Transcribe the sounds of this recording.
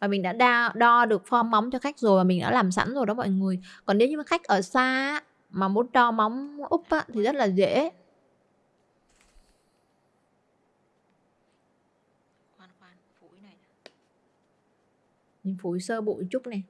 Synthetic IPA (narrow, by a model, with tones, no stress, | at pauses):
vaː˨˩mï˨˩ŋ̟ɗa̰ː˧˥ɗaː˧ɗɔ˧ɗɨ˨˩ək̚fɔ˧ma˨˦wŋ͡mt͡ɕɔ˧xa˦˥k̟̚zo˨˩jmaː˨˩mi˨˩ŋ̟ɗa̰ː˧˥laː˨˩msa̰˧˥nzo˨˩jɗɔ˨˦mɔ̰˧˨jŋɨ˨˩əjkɔ˨˩nɗe˨˦ɲɨ˧m˨˩xa˦˥jk̚ʔəː˧˩saː˧˦˥ | maː˨˩mo˨˦nɗɔ˧ma˨˦wŋ͡mʔʊ˦˥k͡p̚ʔaː˧˥t̪ʰi˨˩zə˦˥t̚laː˨˩zḛ˧˥ | xwaː˨˩nxwaː˨˩nfu˨˧˩jna˨˩j | ɲi˨˩˦ŋfu˧˩˦jsəː˧ɓṵ˧˨jt͡ɕʊ˦˥k͡p̚nɛ˨˩